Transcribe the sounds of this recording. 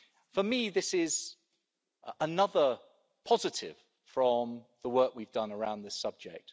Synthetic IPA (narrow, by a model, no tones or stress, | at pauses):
fəmiðɪsɪz̥ | ənʌðə | pʰɒzɪtʰɪ̰v̥ | fɹə̃mðəwɜˑkwivdʌ̃nəɹãʊ̃nðɪsʌb̚d͡ʒɛ̰k̚t